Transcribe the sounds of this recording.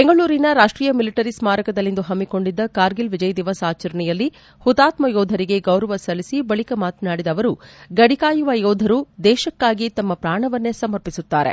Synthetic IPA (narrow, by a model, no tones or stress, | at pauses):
beŋɡɐɭuːɾinɐɾaːʂʈɾiːjɐmiliʈɐɾismaːɾɐkɐd̪ɐlːind̪uɦɐmːiko̞ɳɖid̪ːɐkaːɾɡilʋid͡ʒɐjɐd̪iʋaːsaːt͡ʃɐɾɐɳɛjɐlːi | hut̪aːt̪mɐjɔːd̪ʱɐɾiɡe̞ɡɐwɾɐʋɐsɐlisibɐɭikɐmaːt̪naːɽid̪ɐʋɐɾuɡɐɽikaːjuʋɐjɔːd̪ʱɐɾud̪ɛːʃɐkːaːɡit̪ɐmːɐpɾaːɳɐʋɐnːe̞sɐmɐɾpisut̪ːaːɾe̞̰